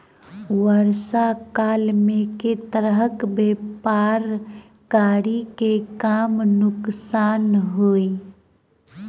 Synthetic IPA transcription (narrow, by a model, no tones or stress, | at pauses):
wəɾsakaːlmẽket̪əɾəɦəkbeːpaːɾ | kaːɾikekaːmnʊksaːnɦoːi